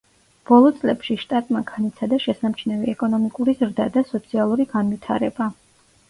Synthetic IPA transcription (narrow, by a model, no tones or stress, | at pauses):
b̥ɔlˠɔt̪sʼlɛpʃiʃt̪ʼat̪ʼmaɡanit̪sʰad̪aʃɛsamt͡ʃʰnɛvɛɛkʼɔnɔmikʼuɾizɾd̪ad̪asɔt̪sʰialˠuɾiɡanvit̪ʰa̰ɾɛba